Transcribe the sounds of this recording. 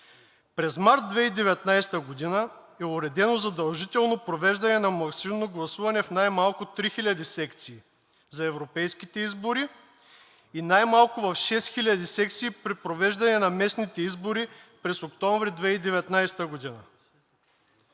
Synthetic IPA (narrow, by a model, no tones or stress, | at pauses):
pɾɛzmaɾt̪̚d̪vɛid̪ɛvɛt̪najst̪əɡod̪inə | ɛʊɾɛd̪ɛnozɐd̪ɐlˠʒit̪ɛlˠnopɾovɛʒd̪ɐnɛnɐmɐksiumnoɡlˠɐsuvɐnɛfnajmalˠkʊt̪ɾixilʲɐd̪isɛkt̪siː | zɐɛvɾopɛjskit̪ɛizboɾi | inajmalˠkʊvɐfʃɛst̪xilʲɐd̪isɛk̚t̪siːpɾipɾovɛʒd̪ɐnɛnɐmɛsnit̪ɛizboɾipɾɛsokt̪ɔ̃ɱvɾid̪vɛid̪ɛvɛt̪najst̪əɡod̪inə